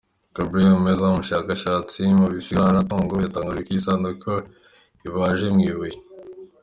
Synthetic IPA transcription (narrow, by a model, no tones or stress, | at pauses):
kabɾeomezamuʃaːkaʃaːt͡simuβisiɡanat̪oːŋɡojat̪aŋɡaɾikisaːnd̪ukʰɐ | iβaːʒemŋiβuji